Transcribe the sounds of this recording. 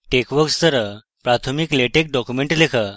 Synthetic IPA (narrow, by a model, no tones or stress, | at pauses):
ʈekʋəkst̪əɾə | pɾat̪ʰomikleʈek̚ɖɔkumeɳʈlekʰa